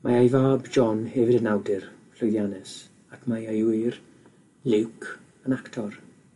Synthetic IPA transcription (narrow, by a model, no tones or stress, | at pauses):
mʔajajvaːbd͡ʒɔnhɛvɪdənawdɪrflɔjðjanɛs | akʰmajajwiːr | lɪwkʰ | ənaktʰɔr